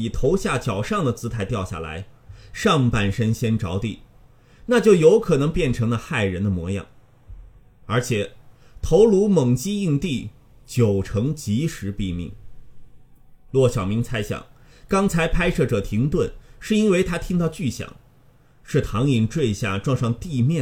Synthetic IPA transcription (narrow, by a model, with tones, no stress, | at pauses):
i˨˩t̪ʰo˧˥ʊɕja˥˩t͡ɕjɑ˨˩ʊʂɑ˥˩ŋd̪ə˩t͡sʰɹ̩˧˥t̪ʰa˧˥ɪt̪jɑ˥˧ʊɕja̰˥˩la̰˧˥ɪ | ʂɑ˥˧ŋpa˥˩nʂə˥nɕjɛ˥nʈ͡ʂɑ˧˥ʊt̪i˥˩ | na˥˧t͡ɕjo˥˩ʊjo˧˥ʊkʰɤ˨˩nɤ˧˥ŋpjɛ˥˩nʈ͡ʂʰɤ˧˥ŋlə˧xa˥˩ɪɻə˧˥nd̪ə˧mwɔ˧˥jɑ̰˨˩ŋ | ə˞˧˥t͡ɕʰjɛ˨˩ | t̪ʰo˧˥ʊlu˧˥mɤ˨˩ŋt͡ɕi˥i˥˧ŋt̪i˥˩ | t͡ɕjo˨˩ʊʈ͡ʂʰɤ˧˥ŋt͡ɕi˧˥ʂɻ̩˧˥pi˥˧mḭ˥˩ŋ | lwɔ˥˩ɕjɑ˨˩ʊmi˧˥ŋt͡sʰa˥ɪɕjɑ̰˨˩˦ŋkɑ˥ŋt͡sʰa˧˥ɪpʰa˥ɪʂɤ˥˩ʈ͡ʂɤ˨˩t̪ʰi˧˥ŋt̪wə˥˩nʂɻ̩˥˩i˥nwe˥˧ɪt̪ʰa˥t̪ʰi˥ŋt̪ɑ˥˧ʊt͡ɕy˥˩ɕjɑ̰˨˩˦ŋ | ʂɻ̩˥˩t̪ʰɑ˧˥ŋi˨˩ŋʈ͡ʂwe˥˧ɪɕja̰˥˩ʈ͡ʂwɑ˥˧ŋʂɑ˥˧ŋt̪i˥˧mjɛ˥˩